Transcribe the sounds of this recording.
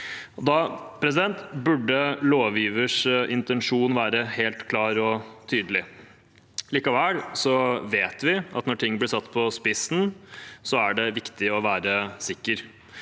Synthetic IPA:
ɔd̪ɑpʰɾɛs̬ɪd̪ɛnt̪bʉɖəloːʋiːʋəʂɪnt̪ɛnʂuːnʋæːɾəheːlt̪kʰlɑːɾɔt̪ʰyːd̪əlɪ | liːkɑʋælsɔʋeːt̪ʋɪʔɑ̰t̪nɔʈʰɪŋːblɪsɑt̪ːpʰɔspɪsn̩sɔæɖɛʋɪkt̪ɪɔʋæːɾəsɪkːəɾ

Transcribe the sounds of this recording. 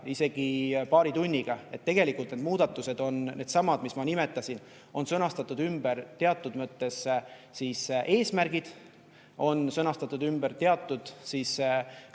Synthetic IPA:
ise̞ɡ̥ipɑːɾit̪unʲːiɡ̥ɑe̞t̪ːe̞ɡ̥e̞likːˑult̪ned̪muːd̪̥ɑt̪ːˑuse̞d̪̥o̞nne̞ːd̪̥sɑmɑd̪mismɑnime̞t̪ːˑɑsʲin | o̞nsɤnɑst̪ɑt̪ːˑud̪ymb̥ert̪e̞ɑt̪ːˑud̪mɤt̪ːe̞ssisʔe̞ːsmærɡ̥id̪̥ | o̞nsɤnɑst̪ɑt̪ːˑud̪̥ymbært̪eɑt̪ˑːud̪̥siːs

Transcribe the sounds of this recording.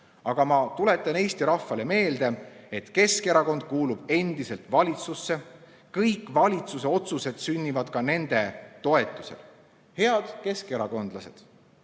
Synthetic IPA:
ɑɡ̥ɑmɑt̪ule̞t̪ːˑɑne̞ːst̪iɾɑfːɑle̞me̞ːld̪̥e̞e̞t̪ke̞ske̞ɾɑko̞nd̪̥̚kuːlub̥e̞nd̪̥ise̞lt̪vɑlʲit̪susːe̞ | kɤjkːˑvɑlʲit̪suse̞o̞t̪suse̞d̪̥synʲːivɑd̪̥kɑne̞nd̪̥e̞t̪o̞e̞t̪ːˑusḛl | he̞ɑd̪̥ke̞ske̞ɾɑko̞nd̪̥lɑse̞̰d̪̥

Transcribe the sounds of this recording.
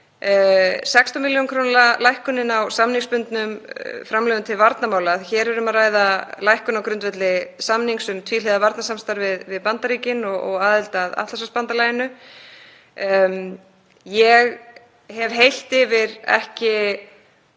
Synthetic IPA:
sɛkst̪ɔmiljonkʰɾownlalajhkʏnɪnawsamniŋspʏnt̪nʏmfɾamlœːðʏnt̪ʰɪlvaɾt̪namaːwlaðçɛːɾɾʏmaraːjðalajhkʏnawkɾʏnt̪vɛt̪lɪsamniŋksʏmt̪ʰviːlɪðavaɾt̪nasamst̪aɾvɪðvɪðpant̪aɾiːcɪnɔɣɔ̰ɣaːðɪlt̪aða̰t̪las̬aspant̪alaːjɪnʏ | jɛɣ | ɦɛvhejl̥t̪ɪvɪɾɛ̰hcɪ

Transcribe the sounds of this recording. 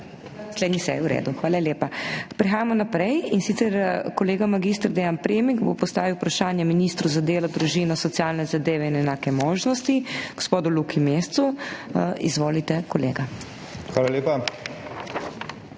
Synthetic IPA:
nasleːd̪nisɛ̰jiuɾḛːd̪uxʋaːlaleːpapɾixaːjamɔnapɾɛjinsit̪sɛɾkɔleːɡamaɡist̪ɾd̪ejanpɾeːmiɡbo̰pɔst̪aːʋiwpɾaʃaːnjɛminist̪ɾuzad̪eːlɔd̪ɾuʒinɔsɔt̪sijaːlnɛzad̪eːʋɛinɛnaːkɛmoːʒnɔst̪iɡ̥ospoːd̪ulukimeːst̪su | ḭzʋoːlit̪ɛkɔlḛːɡa | xʋaːlaleːpa

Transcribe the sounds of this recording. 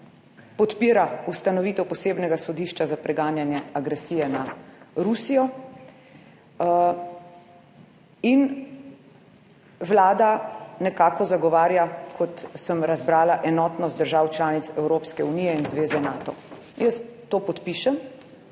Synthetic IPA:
pɔt̪piːɾaust̪anɔʋiːt̪ɛwpɔseːbnɛɡasɔd̪iʃt͡ʃazapɾɛɡaːnjanjɛaɡɾɛsiːjɛnaɾusijɔ | in | ʋlaːd̪anɛkaːkɔzaɡɔʋaːɾjakʰɔt̪səmɾazbɾaːlaʔɛnɔt̪nɔst̪d̪əɾʒaːwt͡ʃlaːnit̪sɛwɾoːpskɛunijɛinzʋeːzɛnaːt̪ɔ̰ | jəst̪ːoːpɔt̪piʃɛm

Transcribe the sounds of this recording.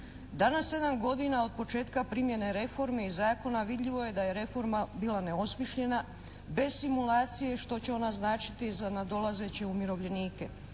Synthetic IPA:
d̪anasːe̞d̪amɡo̞d̪inao̞d̪̚po̞t͡ʃe̞ːt̪kapɾimje̞ne̞ɾe̞fo̞ɾmeizaːko̞naʋid̪ʎiʋo̞je̞d̪aje̞ɾe̞fo̞ɾmabiːlˠane̞o̞smiʃʎe̞na | be̞zsimulaːt̪sije̞ʃt̪o̞t͡ɕe̞o̞naznaːt͡ʃi̥t̪izanad̪o̞laze̞t͡ɕe̞umiɾo̞ʋʎe̞niːke̞

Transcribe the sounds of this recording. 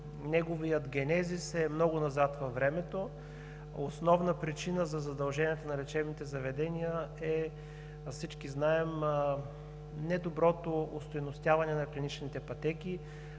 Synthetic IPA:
nɛɡovijət̪ɡʲɛnɛzisɛmnɔɡʊnɐzat̪vɐfːɾɛmɛt̪o | osnɔvnəpɾit͡ʃinəzɐzɐd̪ɐlˠʒɛniɛt̪onɐɾɛt͡ʃɛbnit̪ɛzɐvɛd̪ɛnijəɛ | sit͡ʃkiznaɛm | nɛd̪obɾɔt̪oost̪ojnʊst̪javɐnɛnɐklʲinit͡ʃnit̪ɛpɐt̪ɛkʲi

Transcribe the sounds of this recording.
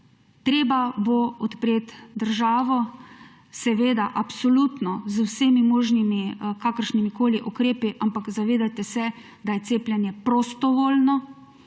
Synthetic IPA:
t̪ɾeːbaboɔt̪pɾeːt̪d̪əɾʒaːʋɔ | sɛʋeːd̪aʔapsolut̪nɔzwseːmimoːʒnimikaːkəɾʃnimikoːliʔukɾeːpiʔampakzaʋeːd̪at̪ɛsɛ | d̪ajɛt̪seːpljɛnjɛpɾɔst̪ɔʋoːlnɔ

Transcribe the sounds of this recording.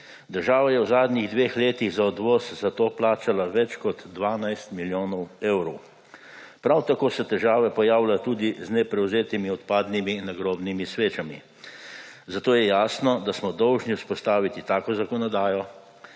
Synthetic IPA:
d̪əɾʒaːʋajɛwzaːd̪niɣd̪ʋeːxleːt̪iɣzaɔd̪ʋɔːszat̪oːplaːt͡ʃalaʋɛt͡ʃkɔd̪ːʋaːnajst̪miljoːnɔwewɾɔw | pɾawt̪akoːsɛt̪ɛʒaːʋɛpɔjaːwlat̪uːd̪iznɛpɾɛwzeːt̪imiɔt̪paːd̪niminaɡɾoːbnimisʋeːt͡ʃamḭ | zat̪oːjɛjaːsnɔd̪asmɔd̪ɔwʒniuspɔst̪aːʋit̪it̪aːkɔzakɔnɔd̪aːjɔ

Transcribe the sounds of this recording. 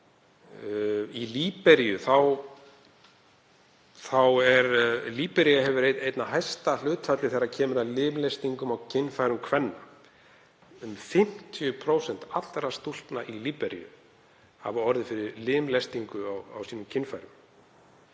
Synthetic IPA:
iliːpɛɾijʏθaw | θawɛɾliːpɛɾiaɦɛvʏɾejt̪ejt̪naɦajst̪al̥ʏːt̪fat̪lɪθejɾːacʰɛːmʏɾaðlɪːmlest̪iŋkʏmawcʰɪnfajɾʏmkʰvɛnːa | ʏmfɪm̥t̪ʰijʏpʰɾowsɛn̥t̪at̪l̥ːɾast̪ul̥t̪naʔiliːpɛɾjʏ̰ | ha̰vaɔɾðɪfɪɾɪɾlɪːmlest̪iŋkʏawa̰wsiːnʏmcʰɪnfajɾʏm

